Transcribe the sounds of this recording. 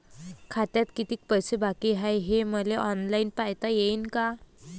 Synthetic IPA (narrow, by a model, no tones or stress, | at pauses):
kʰat̪jat̪kit̪iːk̚pəjsebakiɦajɦeməleʔɔnlajnpajt̪ajeinka